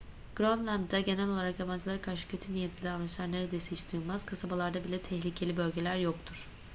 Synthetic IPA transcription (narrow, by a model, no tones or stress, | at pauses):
ɡ̥ɾonlʲˠand̪d̪aɟe̞nælʲo̞lˠaɾakjaband͡ʒɯlˠaɾɯkʰaɾʃɯ̥cʰø̞t̪ʰynijet̪lʲid̪avɾɯnt͡ʃlʲˠaɾne̞ɾed̪esihit͡ʃd̪ujulˠmaz̥kʰasabalˠaɾd̪abilʲɛt̪ʰɛçlʲicʰe̞lʲibø̞lʲɟe̞lʲæɾjok̚t̪ʰuɾ̥